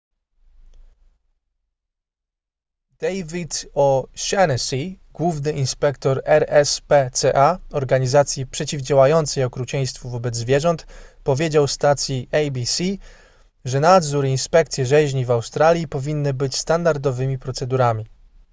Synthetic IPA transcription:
d̪̥ɛjvʲit̪ɔɕɛnsʲiɡ̥wuvnɘʔinspɛkt̪ɔɾɛɾɛspɛt̪sɛʔaɔɾɡaɲizat̪sʲjipʂɛt͡ɕivd͡ʑawajɔnt̪sɛjɔkɾut͡ɕɛj̃st̪fuvɔbɛd̪zzvʲjɛʐɔnt̪pɔvʲjed͡ʑawfst̪at̪sʲjiɛjbʲisʲi | ʐɛnad̪zuɾinspɛkt̪sʲjɛʐɛʑɲivawst̪ɾalʲjipɔvʲinːɘbɘt͡ɕst̪and̪aɾd̪ɔvɘmʲipɾɔt̪sɛd̪uɾamʲi

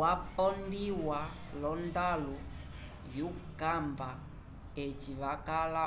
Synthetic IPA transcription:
wapɔndiwa | lɔndalu | jukamba | et͡ʃiβakala

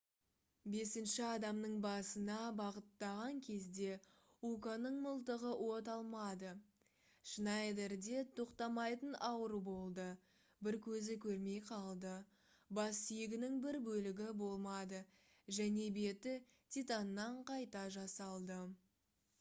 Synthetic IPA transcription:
be̞sɪnʃɪɑd̪ɑmnəɴbɑsənɑbɑʁət̪ːɑʁɑŋkʲʰe̞zd̪e̞ | ukanəɴməlˠt̪̬əʁəwʔo̞t̪ɑlˠmɑd̪ə | ʃənɑjd̪eɾd̪e̞t̪ʰo̞qt̪ɑmɑjt̪ənɑwəɾubo̞lˠd̪ə | bɪɾkʲʰɵzɪkʲʰɵɾme̞jqʰɑlˠd̪ə | bɑsːijɪɡʲɪnɪŋbɪɾbɵlɪɡʲɪbo̞lˠmɑd̪ə | ʒæne̞be̞t̪ɪ | t̪ʲit̪anːɑɴqʰɑjt̪ɑʒɑsɑlˠd̪ə

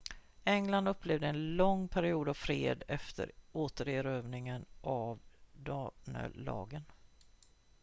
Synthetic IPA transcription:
ɛŋland̪ɵpːleːvd̪əɛnlɔŋpʰæɾɪuːd̪avfɾḛːd̪ɛft̪ʰə̰ɾoːt̪əɾeɾøːvnɪŋənʔavd̪ɑːnə̰lɑ̰ːɡən

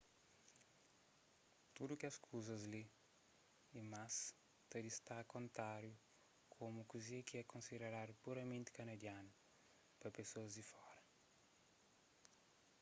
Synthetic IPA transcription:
t̪ud̪ukeɐskʰuzɐzli | imas | t̪ɐd̪ist̪akõnt̪ɾaɾju | kʰomukuziɐkiɛkõnsideɾaɾpuɾɐmẽnt̪ɪ̥kɐnɐd̪janu | pɾɐpesoɐzd̪ifɔɾɐ

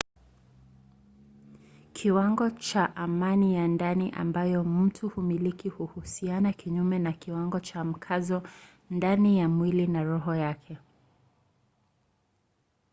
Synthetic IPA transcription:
kʰiwaŋɡɔt͡ʃaʔamanijandaniʔa̰mbajɔm̩tʰuhumilikihuhusianakiɲumɛnakiwaŋɡɔt͡ʃam̩kʰazɔ | ndanijamwilinaɾɔɦɔjakʰɛ

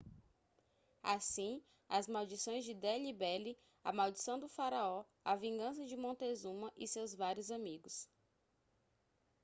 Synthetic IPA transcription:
asĩ | ɐzmawd͡ʒisõj̃zd͡ʒɪd̪eʎibɛli | ɐ̰mawd͡ʒisɐ̃w̃d̪ʊfaɾaɔ | avĩɡɐ̃sɐd͡ʒɪmõt̪ezũmɐʔɪsewzvaɾjʊzamiɡʊs

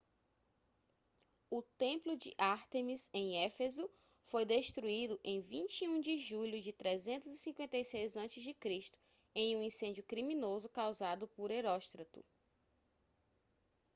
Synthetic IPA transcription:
ʊt̪ẽplʊd͡ʒɪ̰ʔaɾt̪emizẽj̃ɛfezu | fojd̪eʃt̪ɾuid̪ʊʔẽj̃vĩt͡ʃiũd͡ʒɪʒuʎʊd͡ʒɪt̪ɾezẽnt̪ʊzisĩkwẽnt̪ejsejzɐ̃t͡ʃɪzd͡ʒɪkɾiʃt̪ʊ̥ | ẽj̃ũĩsẽd͡ʒjʊkɾimĩnozʊkawzad̪ʊpʊɾeɾɔʃt̪ɾɐt̪ʊ̰

